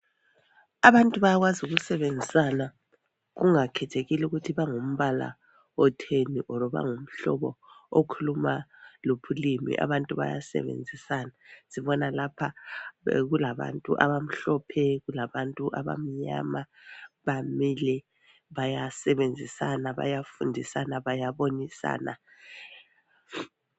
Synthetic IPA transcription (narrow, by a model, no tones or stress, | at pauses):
aβantʼuβajaɣwazuɣusɛβend͡zʱisana | ɣuŋakʰɛtʰeɣiluɣutʰiβaŋum̩βala̰ | ɔtʰeniʔɔɾɔβa̰ŋum̩ɬɔ̰βɔokʰulumalopʰulimḭʔa̰βantʼuβa̰ja̰sɛ̰βḛnd͡zʱisanasiβɔnalapʰa̰ | ɣulaβa̰ntʼṵʔaβam̩ɬɔpʰɛɣulaβantʼuʔa̰βa̰m̩ɲa̰ma | βamilɛ | βajasɛβend͡zʱisanaβa̰jafundʱisanaβajaβonisa̰ːna